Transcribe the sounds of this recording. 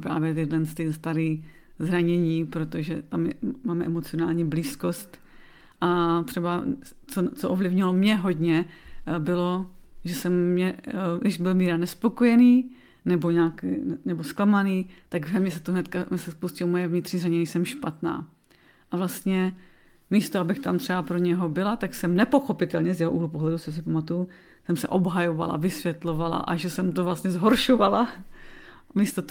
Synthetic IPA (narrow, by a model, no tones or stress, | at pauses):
pɾa̰ːvjɛjɛdɛnst̪ɪst̪aɾiː | zɾaɲɛɲiːpɾot̪oʒɛt̪amjɛ̰maːmɛʔɛmot͡sɪonaːlɲiːbliːskost̪ | ʔat̪r̥ɛba | t͡sot͡soʔovlɪvɲɪlomɲɛɦo̞d̪ɲɛbɪlo̞ʒɛsɛmːɲɛdɪʃbɪlmiːɾanɛspo̞kojɛniː | nɛboɲaːkːnɛbosklamaniːt̪aɡvɛmɲɛs̬ɛt̪oɦnɛt̪kaɛsɛspustcɪomojɛvɲɪt̪r̝̥ɲiːraɲɛnisɛmʃpat̪na̰ː | ʔavlast̪ɲɛ | miːst̪oabɪxt̪amt̪r̥ɛapɾo̞ɲɛɦo̞bɪlat̪aksɛmnɛpo̞xo̞pɪt̪ɛlɲɛzjɛɦoʔuːɦlupoɦlɛdut͡ssos̬ɪpamat̪uju | sɛmsɛ̰ʔo̞bɦajova̰la̰vɪsʋjɛt̪lo̞vala̰ʔaʒɛsɛmt̪ovlast̪ɲɛzɦoɾʃovala | miːst̪ot̪